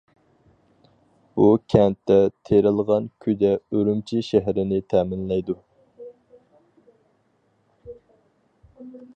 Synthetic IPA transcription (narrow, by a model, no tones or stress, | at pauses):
bukʲʰɛnt̪ːɛt̪ʰeɾɪlˠʁɑnkʲʰyd̪ɛøɾymt͡ʃʰiʃæɦɾɪnɪt̪ʰɛːmɪnlɛjd̪u